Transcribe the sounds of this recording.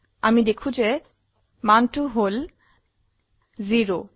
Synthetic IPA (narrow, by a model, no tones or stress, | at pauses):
amid̪ekʰud͡ʑe | manʈuɦol | ziɾo